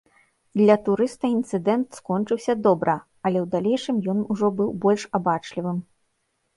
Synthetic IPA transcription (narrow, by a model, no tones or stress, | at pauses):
d̪lʲɐt̪uɾɨst̪ɐint̪sɨd̪ɛnt̪skɔnt͡ʂɨwsʲɐd̪ɔbɾʔɐ | ɐlʲɛwd̪alʲɛjʂɨmjɔnuʐɔbɨwbɔlʲʂabat͡ʂlʲivɨm